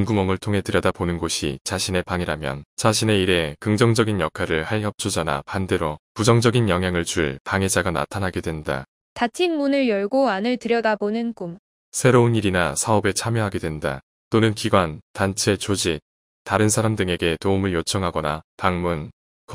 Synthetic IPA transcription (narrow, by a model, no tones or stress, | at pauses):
nɡumʌmɯɭtʰoŋɦe̞tɯɾjʌdaponɯnɡoɕʰḭt͡ɕaɕʰine̞paŋiɾamjʌ̰nt͡ɕaɕʰine̞iɾe̞kɯŋd͡ʑʌŋd͡ʑʌɡinjʌkʰaɾɯɭhaɭjʌp̚t͡ɕʰod͡ʑana̰pande̞ɾopud͡ʑʌŋd͡ʑʌɡinjʌŋɦjaŋɯɭt͡ɕuɭpaŋe̞d͡ʑaɡana̰tʰanɦaɡe̞dwe̞nda̰ | tatʰinmunɯɭjʌɭɡoanɯɭtɯɾjʌdabonɯnkum | sʰe̞ɾouniɾinasʰaʌbe̞t͡ɕʰamjʌɦaɡe̞dwenda̰ | t͈onɯnkiɡwantant͡ɕʰe̞t͡ɕod͡ʑi | taɾɯnsʰaɾamdɯŋe̞ɡe̞toumɯɭjot͡ɕʰʌŋɦaɡʌnapaŋmun | k